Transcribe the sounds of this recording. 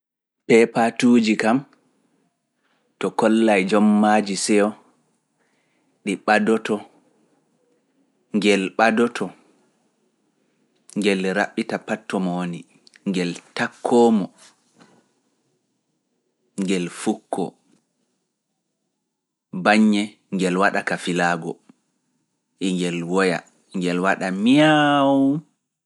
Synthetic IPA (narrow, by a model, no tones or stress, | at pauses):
pɛpatud͡ʒikam | tɔkɔlːajd͡ʒɔmːad͡ʒisɛɔ | ɗiɓadɔtɔ | ŋɡɛlɓadɔtʰɔ | ŋɡɛlɾaɓːitapatʰːɔmɔwoni | ŋɡɛltakʰːɔːmɔ | ŋɡɛlfukʰːɔ̰ | baɲːɛ | ŋɡɛlwaɗakafilaːɡɔ̰ | ʔiŋɡɛlwɔja̰ | ŋɡɛlwaɗamiawu